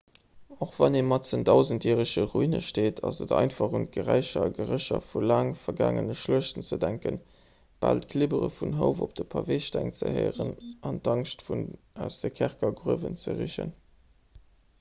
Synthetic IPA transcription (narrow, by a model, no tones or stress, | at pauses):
oχvɑneːmɑtt͡səndɑʊzəntiːʁəʃəʁuinəʃteːtʰɑzədɑɪntfɑχunt̚ɡəʁæɪʃɐɡəʁəɕɐfulaːŋfɐɡaːŋənəʃluəʃtənt͡sədæŋkən | b̥aːltkʰlibəʁəfunɦəʊfop̚d̥əpʰɑveɪʃtæŋt͡səheɪʁənɑndɑŋʃtfun | æʊsd̥əkʰæʁkɐɡʁuəvənt͡səʁiʃə̰n